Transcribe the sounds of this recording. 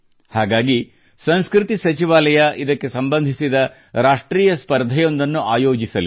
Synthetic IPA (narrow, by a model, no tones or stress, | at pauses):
haːɡaːɡi | sɐnskɾit̪isɐt͡ʃiʋaːlɐjɐʔid̪ɐkːe̞sɐmbɐnd̪ʱisid̪ɐ | ɾaːʂʈɾiːjɐspɐɾd̪ʱɐjo̞nd̪ɐnːuʔaːjoːd͡ʒisɐli